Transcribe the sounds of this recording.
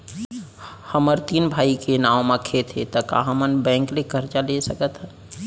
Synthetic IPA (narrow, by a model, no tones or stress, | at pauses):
həməɾt̪inbʱaːikenãwmãkʰet̪ʰɦet̪əka̰ɦəmənbɛ̃ŋklekəɾt͡ʃalesəkət̪ɦɛ̃